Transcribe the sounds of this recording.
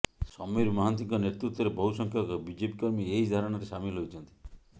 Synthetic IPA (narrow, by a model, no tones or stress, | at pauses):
sɔmɔjɾumɔɦant̪iŋkɔneɾt̪ɾut̪ːɔɾebɔɦusɔŋkʰjɔkɔbid͡ʒepikɔɾmieɦid̪ʱaɾɔɽ̃aɾesamilɦojt͡ʃʰɔnt̪i̥